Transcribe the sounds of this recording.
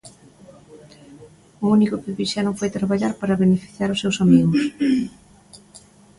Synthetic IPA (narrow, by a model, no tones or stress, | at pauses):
ʊunikʊpeβiʃanõŋfojt̪ɾaβaʎaɾpaɾɐβenefi̥θjaɾʊsːewsamiɣʊs